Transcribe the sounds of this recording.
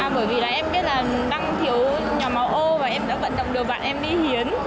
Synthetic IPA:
aː˨˩ɓəː˧˩jvi˨˩laː˨˩ʔɛ˧mɓi˦˥ət̚laː˨˩ɗa˧ŋt̪ʰi˨˦əw | ɲɔ˨˩ma˨˦wʔo˧maː˨˩ʔɛ˧mɗa̰ː˧˥və̰˧˨nɗə̰˧˨wŋ͡mɗɨ˨˩ək̚ɓa̰ː˧˨nʔɛ˧mɗi˧hi˨˦ən

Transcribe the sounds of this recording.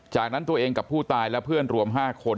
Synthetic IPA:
t͡ɕaː˨˩k̚na˦˥nt̪u˧əʔeː˧ŋka˨˩pʰːuː˥˩t̪aː˧jlɛ˦˥pʰɯ˥˩ənɾu˧əmɦaː˥˩kʰo˧n

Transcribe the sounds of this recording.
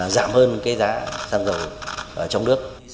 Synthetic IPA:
za̰ː˧˩mhəː˧nkaː˨˦jzaː˨˦saː˧nzə˨˩wʔəː˧˩t͡ɕɔ˧wŋ͡mnɨ˦˥ək̚

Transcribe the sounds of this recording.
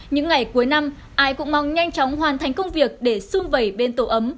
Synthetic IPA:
ɲɨ̰˧˥ŋːa˨˩jku˨˦əjna˧m | ʔaː˧jkʊ̰˧˥ŋ͡mmɔ˨˧˩wŋ͡mɲa˧jŋ̟t͡ɕɔ˨˦wŋ͡mɦwaː˨˩nt̪ʰa˨˦jŋ̟kə˧wŋ͡mvi˨˩ək̚ɗe˧˩su˧mvə˨˧˩jɓe˧nt̪o˧˩ʔə˨˦m

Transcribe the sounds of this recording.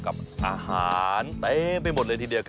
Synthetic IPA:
ka˨˩p̚ʔaː˧haː˩˦nt̪e˦pa˧jmo˨˩t̪̚lə˧t̪iː˧di˧əwk

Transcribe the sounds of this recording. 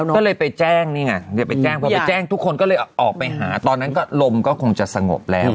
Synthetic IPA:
ɔː˥˩lɤː˧jpa˧jt͡ɕɛː˥˩ŋniː˥˩ŋa˧˩ja˨˩pa˧jt͡ɕɛː˥˩ŋpʰɔ˧pa˧jt͡ɕɛː˥˩ŋt̪ʰu˦˥kʰːo˧nkɔː˥˩lɤː˧jʔɔː˨˩k̚pa˧jɦa̰ː˩˦t̪ɔː˧nːa˦˥nkɔː˥˩lo˧mkɔː˥˩kʰo˧ŋt͡ɕa˨˩sa˧ŋo̰˨˩p̚lɛː˦˥w

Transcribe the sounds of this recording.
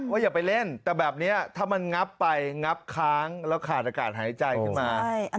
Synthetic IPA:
ʔɔː˦˥˩jaː˨˩pa˧jle˥˩nt̪ɛː˨˩bɛː˨˩p̚ni˦˥ɐt̪ʰaː˥˩ma˧nŋa˦˥pːa˧jŋa˦˥p̚kʰaː˦˥ŋlɛː˦˥wkʰaː˨˩t̪̚ʔaː˧kaː˨˩t̪̚haː˩˦jt͡ɕa˧jkʰɯ˥˩nmaː˧

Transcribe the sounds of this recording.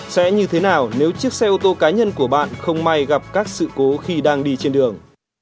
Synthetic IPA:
sɛ̰˧˥ɲɨ˧t̪ʰe˨˦naː˨˩wne˨˦wt͡ɕɨ˦˥ək̚sɛ˧ʔu˧t̪o˧kaː˨˦ɲə˧nku˧˩əɓa̰ː˧˨nxə˧wŋ͡mma˧jɣa˨˩p̚kaː˦˥k̚sɨ̰˧˨ko˨˦xi˧ɗaː˧ŋɗi˧t͡ɕe˧nɗɨ˨˩əŋ

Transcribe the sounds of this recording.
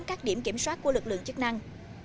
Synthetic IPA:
nkaː˦˥k̚ɗi˧˩əmki˧˩əmswaː˦˥t̚ku˧˩əwɨ˨˩k̚lɨ̰˧˨ŋt͡ɕɨ˦˥k̚na˧ŋ

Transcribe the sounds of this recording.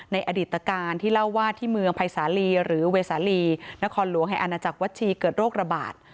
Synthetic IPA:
na˧jʔa˧diː˨˩t̪ːa˧kaː˧nt̪ʰiː˥˩la˥˩wːaː˥˩t̪ʰiː˥˩mɯ˧əŋpʰa˧jsaː˩˦liː˧ɾɯː˩˦weː˧saː˩˦liː˧na˦˥kʰɔː˧nlu˨˩˦əŋɦa˨˩jʔa˧naː˧t͡ɕa˨˩k̚wa˦˥t̪̚t͡ɕʰiː˧kɤː˨˩t̪̚ɾoː˥˩k̚ɾa˧ba̰ː˨˩t̪̚

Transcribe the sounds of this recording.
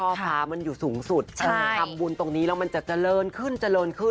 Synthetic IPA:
ɔː˥˩aː˦˥ma˧njuː˨˩suː˩˦ŋsu˨˩t̪̚t͡ɕʰːa˥˧˩kʰa˧mbuː˧nt̪o˧ŋniː˦˥lɛː˦˥wma˧nt͡ɕa˨˩t͡ɕa˨˩lɤː˧nkʰɯ˥˩nt͡ɕa˨˩lɤː˧nkʰɯ˥˩

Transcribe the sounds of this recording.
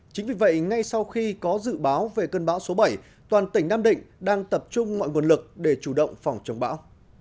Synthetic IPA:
t͡ɕï˨˦ŋ̟vi˨˩və̰˧˨jŋa˧jsa˧wxi˧kɔ˨˦zɨ̰˧˨ɓaː˨˦wve˨˩kəː˧nɓaː˨˦wso˨˦ɓə˧˩j | t̪waː˨˩nt̪ï˧˩ŋ̟naː˧mɗḭ̈˧˨ŋ̟ɗaː˧ŋt̪ə˨˩p̚t͡ɕʊ˧ŋ͡mmɔ̰˧˨jŋu˨˩əlɨ˨˩k̚ɗe˧˩t͡ɕu˧˩ɗə̰˧˨wŋ͡mfa˨˩wŋ͡mt͡ɕə˨˦wŋ͡mɓa̰ː˨˦w

